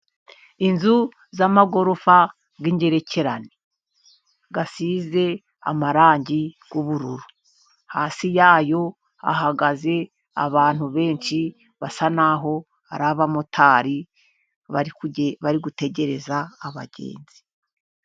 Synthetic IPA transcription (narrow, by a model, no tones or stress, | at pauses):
inzu | zamaɡo̞ɾofa | ɡiɲɟe̞ɾe̞cʰe̞ɾane | ɡasiːze̞ | a̰maɾaːɲɟiɡ̥uβuɾuɾu | haːsijaːjo̞ | a̰ɦaɡaze̞ | a̰βaːn̥huβe̞ːnʃi | βasanaɦo̞ | a̰ɾaβamotʰaːɾi | βaiβaɾiɡute̞ɟe̞ɾe̞zaːβa̰ɟḛːnz̥i̥